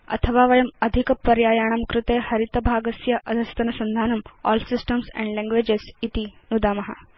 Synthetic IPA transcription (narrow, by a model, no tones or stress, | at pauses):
ɐ̰t̪ʰəʋaːʋɐjɐmɐd̪ʱikpɐɾjaːjaːɳ̃amkɾut̪eːhɐɾit̪ɐbʱaːɡɐsjɐʔɐd̪ʱɐst̪ɐnɐsɐnd̪ʱaːnɐmɔ̰ːlsisʈəmsɛ̰̃ɳɖlẽŋɡʋeːd͡ʒesit̪inud̪aːmɐɦa̰